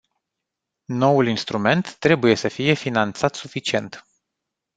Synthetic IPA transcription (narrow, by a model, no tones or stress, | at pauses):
no̞wulinst̪ɾume̞nt̪ːɾe̞buje̞səfije̞finant̪sat̪sufit͡ʃie̞nt̪